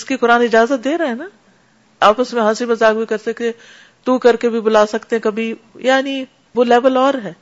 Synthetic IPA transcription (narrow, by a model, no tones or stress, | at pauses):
ɪskikʊɾaːnɪd͡ʒaːzət̪̚d̪eːɾɐɦɛna | aːpəsmẽɦãːsibɐzaːɡbikɐɾsɐk̪e | t̪ukɐɾkebʱibʊlaːsɐkt̪eɦɛ̃kɐbʱijaːni | ʋoːlɛːʋəlɔːɾɦɛː